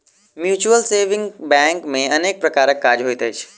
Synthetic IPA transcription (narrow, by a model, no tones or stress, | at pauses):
mjuːt͡ʃuəlseːʋɪ̃ŋbɛ̃ːŋkmẽɐneːk̚pɾɐkaːɾəkːaːɾɦoit̪ʰət͡ʃʰ